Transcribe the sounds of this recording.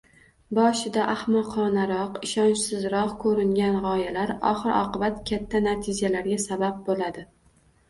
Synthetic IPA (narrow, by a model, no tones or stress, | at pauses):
bɒʃɪd̪aʔahmaqʰɒnaɾɒqɪʃɒnt͡ʃsɪzɾɒhkʰɵɾɪŋɡʲanʁɒjalaɾɒ̰χɨɾɒ̰qɨbat̪kʲʰat̪ʰːanat̪ʰɪd͡ʒalaɾɡʲasabab̚bolad̪ɪ